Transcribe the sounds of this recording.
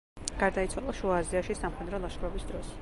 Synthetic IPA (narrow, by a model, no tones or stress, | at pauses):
ɡ̥aɾd̪ait̪sʰwalˠaʃuaːziaʃisamχɛd̪ɾɔlˠaʃχɾɔbisd̪ɾɔs